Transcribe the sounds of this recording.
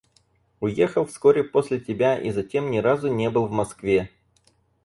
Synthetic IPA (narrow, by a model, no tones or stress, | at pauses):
ʊjexəlˠfskoɾʲɪposʲlʲɪtʲɪbʲaʔḭzɐtʲe̞mnʲɪɾazʊnʲe̞bɨlˠvmɐskvʲe̞